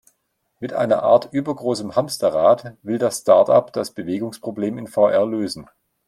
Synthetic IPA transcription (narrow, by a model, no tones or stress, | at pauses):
mɪtʔa̰ɪnɐ̰ʔa̰ːɐtʔyːbɐɡʁoːsəmhamstɐʁaːtvɪldasstaɐtapd̥asb̥əveːɡʊŋspʁ̥obleːmɪnfaʊʔɛɐløːzn̩